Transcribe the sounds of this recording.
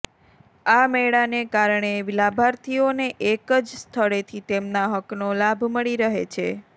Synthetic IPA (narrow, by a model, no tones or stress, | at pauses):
amɛɭanekaɾɳ̃eʋilabʱaɾt̪ʰioneʔekəd͡ʒst̪ʰəɽet̪ʰit̪emnaɦəknolabʱməɭiɾəɦḛt͡ʃʰe